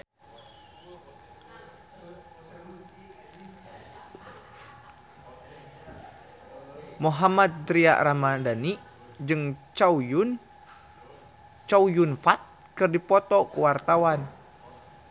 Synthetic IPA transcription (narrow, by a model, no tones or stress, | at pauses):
muɦamad̪̚d̪ɾia̰ʔɾamadani | d͡ʒɨŋt͡ʃaujun | t͡ʃaujunfat̪̚ | kɨrdipɔt̪ɔkəwart̪awan